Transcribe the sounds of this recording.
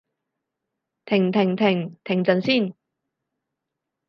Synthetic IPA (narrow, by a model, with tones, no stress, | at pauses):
t̪ʰɪ˨˩ŋt̪ʰɪ˨˩ŋt̪ʰɪ˨˩ŋt̪ʰɪ˨˩ŋt͡sɐ˨nsiː˥˩˨n